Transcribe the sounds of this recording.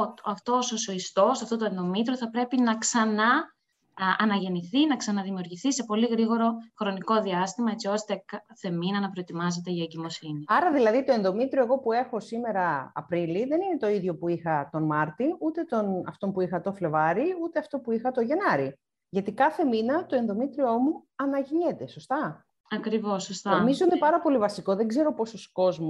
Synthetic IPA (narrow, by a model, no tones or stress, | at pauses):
ɐft̪o̞sosoist̪o̞sɐft̪o̞t̪oenðo̞mit̪ɾoθɐpɾe̞pinɐksɐnɐ | ɐnɐʝe̞niθinɐksɐnɐðimiuɾʝiθise̞po̞liɣɾiɣo̞ɾo̞xɾo̞niko̞ðiɐst̪imɐet͡sio̞st̪ekɐθe̞minɐnɐpɾoet̪imɐze̞t̪e̞ʝɐeɟimo̞siniɐɾɐðilɐðit̪o̞e̞nðo̞mit̪ɾioe̞ɣo̞pue̞xo̞sime̞ɾɐɐ̰pɾiliðe̞nine̞t̪o̞iðʝo̞puixɐt̪o̞nmɐɾt̪iut̪e̞t̪o̞nɐ̰ft̪o̞mpuixɐt̪o̞fle̞vɐɾiut̪eɐft̪o̞puixɐt̪oʝe̞nɐɾi | ʝɐt̪ikɐθe̞minɐt̪o̞enðo̞mit̪ɾio̞muɐnɐʝiɲe̞t̪e̞so̞st̪ɐ | ɐkɾivo̞sost̪ɐoomizo̞ine̞pɐɾɐpo̞livɐsiko̞ðeɡze̞ɾo̞po̞sosko̞zmu